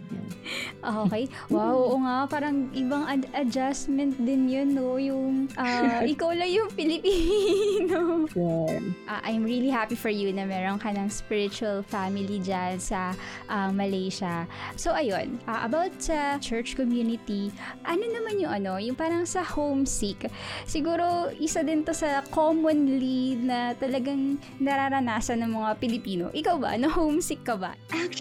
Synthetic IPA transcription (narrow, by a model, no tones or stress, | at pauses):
jʔoʔokɛj | wawoʔoŋapaːɾɐŋʔɪbɐŋʔɐʔɐd͡ʒasmɛnt̪̚d̪ɪnjonːojʊŋʔaʔɪkawlɐjʊŋpɪlɪpino | ʔaʔajmɹilihapifɔɹjunɐmɛɾoŋkɐnɐŋspɪɹɪt͡ʃʊɐlfamɪlid͡ʒansɐ | ʔɐmɐlejʃɐso̞ʔɐjonʔaʔɐ̰bawt̪̚sɐt͡ʃɛɹt͡ʃkɔmjuːnɪt̪iʔɐno̞nɐmanjʊŋɐno̞jʊŋpaːɾɐŋsɐhowmsiksɪɡuːɾo̞ʔɪsad̪ɪnt̪o̞sɐkomonlinɐt̪ɐlɐɡaŋ | nɐɾaɾɐnaːsɐnːɐŋmɐŋapɪlɪpiːno̞̰ʔɪkawbɐ̰ʔnɐhowmsɪkːɐbɐ̰